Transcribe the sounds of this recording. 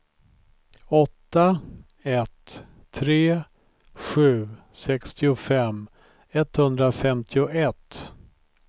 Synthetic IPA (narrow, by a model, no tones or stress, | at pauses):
ɔt̪ːa | ɛt̪ʰː | ɾeː | ɧʉ̟ːsɛkst̪ɪʊfɛm | ɛt̪ːhɵnd̪ɾafɛmt̪ʰɪʊʔɛt̪